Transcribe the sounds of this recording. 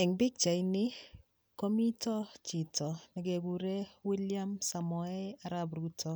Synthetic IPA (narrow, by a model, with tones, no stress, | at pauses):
ɛ˨ŋbɪ˦k̚t͡ʃa˨inɪ˦ | ko˦mi˦tɔ˦t͡ʃɪ˨tʰɔ˨nɛ˨ɡe˨ɡu˨ɾe˦wi˦lja˦msa˨mɔ˨ɛ˦a˨ɾa˦bɾu˦tʰɔ˦